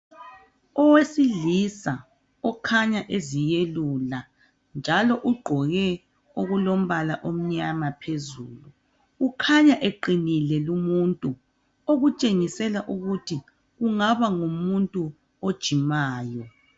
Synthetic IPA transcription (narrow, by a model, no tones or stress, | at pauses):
ɔwesiɮisa | ɔkʰaɲaʔezijelula | nd͡ʒʱalɔʔuɡ͡ǃʱɔɣɛ | oɣulom̩βalaʔom̩ɲamapʰezṵːluː | kʰaɲaʔeǃinilɛlumuntʼu | oɣut͡ʃʼeŋisɛlaʔuɣutʰi | ɣuŋaβaŋumuntʼu | od̥ʒ̥ʱimaːjɔ